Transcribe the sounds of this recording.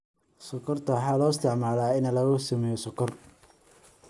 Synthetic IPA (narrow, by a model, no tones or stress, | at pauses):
sɔkʰɔrt̪ʰɐwɑħɑːlɔːɪst̪ʰɪʕmaːlaːɪnɐlɐɣʊsɐmɛjɔsɔkʰɔr